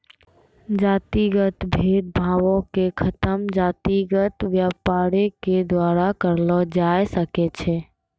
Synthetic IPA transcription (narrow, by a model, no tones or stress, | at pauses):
d͡ʒaːt̪iɡət̪bʱed̪̚bʱawõkekʰət̪əmd͡ʒat̪iɡət̪ʋjapaɾeked̪waɾakəɾlɔd͡ʒajsəkɛt͡ʃʰɛ